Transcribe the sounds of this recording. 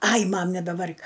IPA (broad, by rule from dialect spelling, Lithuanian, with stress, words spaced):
ˈɐɪ ˈmɐm nʲɛbʲɛˈʋɐrʲk